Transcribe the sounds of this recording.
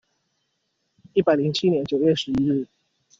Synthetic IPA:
i˥˩pa˨˩ɪli˧˥ŋt͡ɕʰi˥njɛ˧˦nt͡ɕjo˨˩ʊɥɛ˥˩ʂɻ̩˧˥i˥ɻ̩˥˩

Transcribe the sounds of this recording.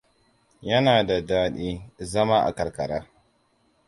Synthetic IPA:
jɐ˦naː˨da˨daː˦ɗiː˦zɐ˦maː˦ʔa̰˨kɐ˨rkɐ˨ɾaː˦

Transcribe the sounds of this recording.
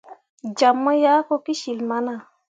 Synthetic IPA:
d͡ʒa˨mːə˦ja˦ko˦ki˦ʃi˨lma˦na˨

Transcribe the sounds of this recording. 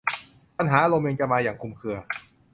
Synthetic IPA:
pa˧nɦaː˩˦lo˧me˧nt͡ɕa˧˩maː˧jaː˨˩ŋkʰu˧mkʰɯ˧ɐ

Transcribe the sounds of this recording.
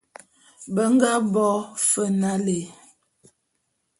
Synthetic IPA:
bə˦ŋ˦ɡa˦bɔ˦fə˦na˦le˨

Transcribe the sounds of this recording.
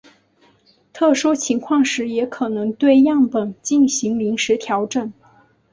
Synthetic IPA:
t̪ʰɤ˥˩ʂu˥t͡ɕʰi˧˥ŋkʰwɑ˥˩ŋʂɻ̩˧˥jɛ˧˥kʰɤ˨˩nɤ˧˥ŋt̪we˥˧ɪjɑ˥˩ŋpə˨˩nt͡ɕi˥˩nɕi˧˥ŋli˧˥ŋʂɻ̩˧˥t̪ʰjɑ˧˥ʊʈ͡ʂə˨˩n

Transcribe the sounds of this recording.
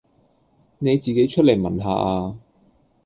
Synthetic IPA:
ne˨˧jt͡siː˨ke˨˥jt͡ʃʰt̚le˨˩jmɐ˨˩nɦaː˨˧ʔaː˧

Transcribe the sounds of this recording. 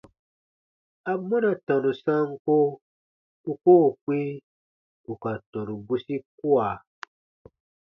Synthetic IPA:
a˨mɔ̃˦na˨tã˨nũ˨sã˦ŋ̩˦ko˦ | u˦ko˦˨k͡pĩ˦ | u˨ka˨tɔ̃˨nũ˨ɡu˦si˦ku˦a˨

